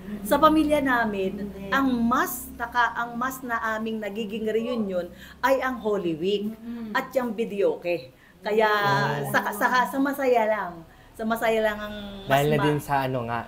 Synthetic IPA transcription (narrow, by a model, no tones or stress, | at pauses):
sɐpɐmiljɐnaːmɪnʔɐŋmɐst̪ɐkaʔɐŋmɐsnɐʔaːmɪŋnɐɡiːɡɪŋɾɛjunjon | ʔɐjʔɐŋɦoːlɪwik̚ʔɐt̪̚t͡ʃɐŋbɪd̪ɛjoːkɛ | kɐjaʔsɐkasɐkasɐmɐsɐjalɐŋ | sɐmɐsɐjalɐŋɐŋd̪aːhɪlnɐd̪ɪnsɐʔɐnoŋa̰ʔ